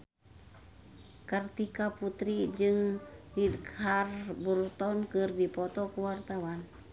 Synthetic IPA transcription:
kərt̪ikaput̪ɾid͡ʒɨŋdidkarburt̪ɔnkɨrdipɔt̪ɔkuwart̪awan

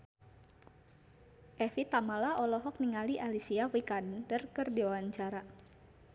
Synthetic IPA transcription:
ʔɛfit̪amalaɔlɔɦɔk̚niŋaliʔalisiawikandərkɨrdiwawaɲt͡ʃaɾa

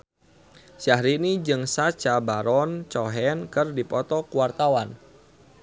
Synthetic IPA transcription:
ʃahɾinid͡ʒɨŋsḁt͡ʃabaɾɔnt͡ʃɔɦɛnkɨrdipɔt̪ɔkuwart̪awan

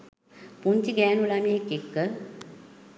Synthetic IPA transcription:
puɲt͡ʃiɡæːnulameːkekːə

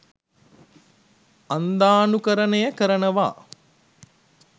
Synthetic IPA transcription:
and̪aːnukəɾənejəkəɾənəʋa̰ː

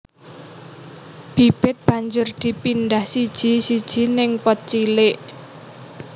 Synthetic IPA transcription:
b̥ib̥ɪt̪̚b̥a̤ɲd͡ʒʊrd̪̥i̤pind̪ahsid̥ʒ̥i̤sid̥ʒ̥i̤nɪŋpɔt̪̚t͡ʃilɪʔ

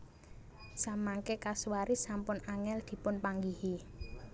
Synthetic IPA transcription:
samaŋkekaswaɾisampʊnaŋɛld̪̥i̤pʊnpaŋɡihi

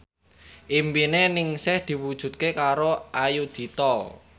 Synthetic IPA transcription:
ʔimbinenɪŋsɪhd̪̥i̤wud̥ʒ̥ṳt̪̚kekaɾoʔajud̪̥i̤t̪ɔ

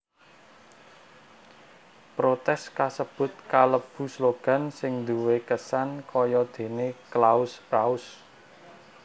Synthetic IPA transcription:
pɾot̪ɛskasəb̥ʊ̤t̪̚kaləb̥ṳsloɡ̥a̤nsɪŋnd̪uwekəsankɔjɔd̪̥e̤neklaʊskɾaʊs

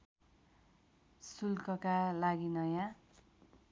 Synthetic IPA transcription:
sulkʌkalaɡinʌjã

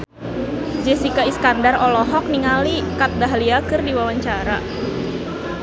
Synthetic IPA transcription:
d͡ʒɛsikaiskandarɔlɔɦɔk̚niŋalikat̪̚daɦaliakɨrdiwawaɲt͡ʃaɾa̰

